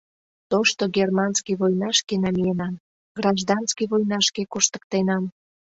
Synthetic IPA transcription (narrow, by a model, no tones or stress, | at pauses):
t̪oʃt̪oɡermɑnskiβojnɑʃkenɑmijenɑm | ɡrɑʒd̪ɑnskiβojnɑʃkekuʃt̪ə̥k̚t̪enɑm